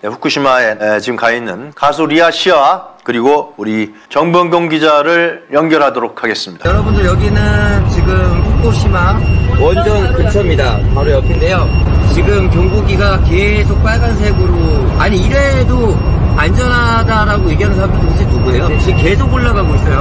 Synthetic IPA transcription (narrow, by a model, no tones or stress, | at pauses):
ne̞ɸu̥k͈ʰuɕʰimaeet͡ɕiɡɯmkainɯnkasʰuɾiaɕʰiakɯɾiɡouɾi | t͡ɕʌŋbʌŋɡjoŋɡid͡ʑaɾɯɭjʌŋɡjʌɾɦadoɾok̚ʰaɡe̞s͈ɯmɲid̥ajʌɾʌbundɯɭjʌɡinɯnt͡ɕiɡɯmɸuk͈ʰoɕʰimawʌnd͡ʑʌnkɯnt͡ɕʰʌmɲidapaɾojʌpʰinde̞jot͡ɕiɡɯmkjʌŋɡuɡiɡake̞ | sʰok̚p͈aɭɡansʰeɡuɾoaɲiiɾe̞do | and͡ʑʌnɦa | daɾaɡoeɡjʌnɯɭsʰamʰtod͡ʑʰinuɡuejot͡ɕike̞s̬ʰokoɭːaɡaɡois͈ʌjo